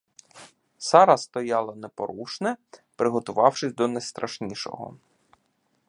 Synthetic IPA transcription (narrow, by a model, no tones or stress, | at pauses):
sɑɾɐst̪ɔjɑlˠɐnɛpɔɾuʃnɛpɾɪɦɔt̪ʊʋɑwʃɪsʲd̪ɔnɐjst̪ɾɐʃnʲiʃɔ̰ɦɔ̰